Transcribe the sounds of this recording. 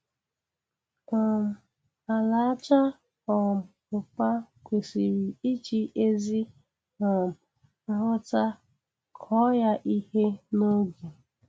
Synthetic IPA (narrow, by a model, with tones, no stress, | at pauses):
a˨la˨˦t͡ʃa˦ | ɔ˨ | ʊ˨pa˦kʷe˨si˨ɾi˨i˦t͡ʃi˦ʔe˦zi˦ | na˨˦ | ɦʊ˦ta˦ | kʰɔ˦ja˦ʔi˦he˦no˦ɡe˨